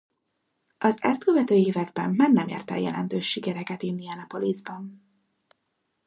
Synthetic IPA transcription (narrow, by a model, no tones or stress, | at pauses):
ʔɒzɛst̪køvɛt̪øːeːvɛɡbɛmːaːrnɛmjḛːrt̪ɛ̰jɛ̰lɛ̰nt̪øːʃːikɛɾɛkɛt̪innːiɛnɛpo̞lizbɒn